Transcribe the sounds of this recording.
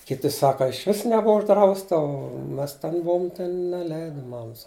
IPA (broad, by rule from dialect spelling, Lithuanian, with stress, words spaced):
kʲɪˈtʲɪ ˈsɑːkɐ ɪʃʲˈʋʲɪs nʲɛˈbʊʋɐ ʊʒˈdrɐʊstɐ oː ˈmʲɛs ˈtʲɛn ˈbuɔm ˈtʲɛn nʲɛˈlʲɛɪdɐ ˈmɑːmɐs